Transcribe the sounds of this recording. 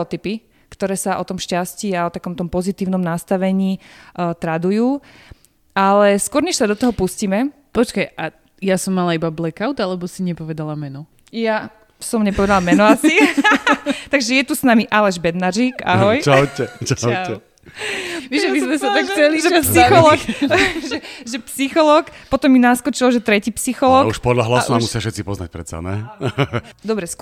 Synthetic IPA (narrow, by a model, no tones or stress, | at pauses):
ɔt̪ipi | kt̪ɔɾɛːsaʔɔt̪ɔmʃcasciːaɔt̪akɔmt̪ɔmpɔzit̪iːʊnɔmnast̪aʋɛɲiːt̪ɾad̪ujuː | alɛskʊɔɾɲɛʃsad̪ɔt̪ɔɦɔpusciːmɛ | pɔt͡ʃkajʔa | jasɔmːalaibablɛkaʊt̪alɛbɔsiɲɛpɔʋɛd̪alamɛnɔ | ja | sɔmɲɛpɔʋɛd̪alamɛnɔasi | t̪aɡʒɛjɛt̪usnamiʔalɛʒbɛd̪naʒika̰ɦɔjt͡ʃacɛt͡ʃaɛ | ʋiʒɛmizmɛsat̪akt͡sɛliʒɛpsixɔlɔːkʒɛʒɛpsixɔlɔːkpɔt̪ɔmːinaskɔt͡ʃilɔʒɛt̪ɾɛciːpsixɔlɔːkuʃpɔd̪laɦlassunamusɪafʃɛtt͡sipɔzna̰c̚pɾɛt̪sa̰nɛ̰ | d̪ɔbɾɛs